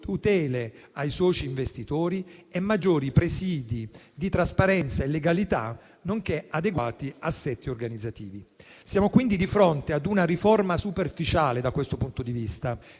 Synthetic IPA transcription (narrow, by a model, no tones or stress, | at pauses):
t̪ut̪ɛːle | ajsɔːt͡ʃiːɱvest̪it̪oːɾiɛmːad͡ʒːoːɾipɾesiːd̪i | d̪it̪ɾaspaɾɛnt̪saelːeɡalit̪a̰ | noŋkead̪eɡwaːt̪iasːɛt̪ːiorɡanid̪zːat̪iːvi | sjaːmokwind̪id̪ifɾont̪ead̪unaɾifɔrmasuperfit͡ʃaːled̪akːwest̪opunt̪od̪ivist̪a